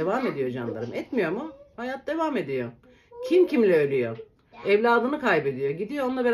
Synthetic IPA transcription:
evame̞d̪ijo̞d͡ʒa̰nlˠa̰ɾɯmʔɛt̪mijo̞muhajat̪̚d̪e̞vaːme̞d̪ijo̞ | cʰimcʰimlʲɛølʲyjo̞ | ɛvlʲaːd̪ɯnɯkajbe̞d̪ijo̞ɟid̪ijoonlˠabe

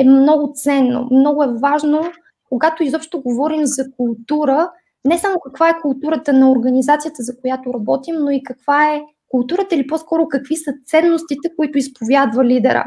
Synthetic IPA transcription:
ɛmnɔɡʊt̪sɛnːo̰mnɔɡʊɛvaʒno | koɡat̪oizɔpʃt̪oɡovɔɾimzɐkʊlˠt̪uɾə | nɛsamokɐkvaɛkʊlˠt̪uɾət̪ənɐoɾɡənizat̪sijət̪əzɐkojat̪oɾɐbɔt̪imnoikɐkv̥aɛ | kʊlˠt̪uɾət̪əilipɔskɔɾʊkɐkvisət̪sɛnːost̪it̪ɛkoit̪ʊispovʲjad̪vəlid̪ɛɾə̰

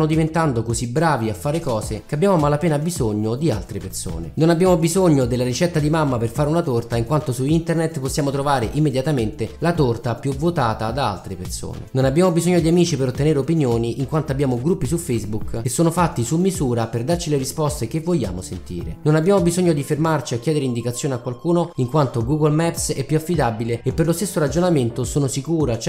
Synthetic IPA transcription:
nod̪ivent̪and̪okozibɾaːviafːaːɾekɔːzekeabːjaːmomalapeːnabizoɲːod̪ia̰lt̪ɾeperso̰ːnḛnonabːjaːmobizoɲːod̪elːaɾit͡ʃɛt̪ːad̪imamːaperfaːɾeunat̪ort̪aiŋkwant̪osuint̪ernet̪posːjaːmot̪ɾovaːɾeʔimːed̪jat̪ament̪elat̪ort̪apjuvot̪aːt̪ad̪aa̰lt̪ɾeperso̰ːn̰ḛnonabːjaːmobizoɲːod̪iamiːt͡ʃipeɾot̪ːeneːɾeopinjoːniiŋkwant̪oabːjaːmoɡɾupːisufejzbukkesːoːnofat̪ːisumːizuːɾaperd̪art͡ʃileɾispɔst̪ekevːoʎːa̰ːmosent̪ḭːɾḛnonabːjaːmobizoɲːod̪ifermart͡ʃiakːjɛːd̪eɾeind̪ikat̪sːjoːneakːwalkuːnoiŋkwant̪oɡuɡolmɛpsɛpːjuafːid̪abileepːerlost̪esːoɾad͡ʒonament̪osoːnosikuːɾat͡ʃ

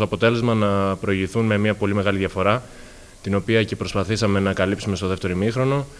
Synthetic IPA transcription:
oɐpo̞t̪e̞le̞zmɐnɐpɾo̞iʝiθunme̞mɐpo̞limeɣɐliðʝɐfo̞ɾɐ | t̪ino̞piɐce̞pɾo̞spɐθisɐme̞nɐkɐlipsume̞st̪o̞ðeft̪e̞ɾoimixɾo̞no̞

